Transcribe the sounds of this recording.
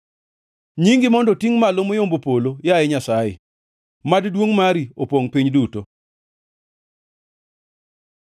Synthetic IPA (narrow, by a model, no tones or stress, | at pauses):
ɲiŋɡɪmɔndɔtiŋmalomojombopolojaɛɲasajɪ̰ | maddwoŋmaɾiopwoŋpiɲduto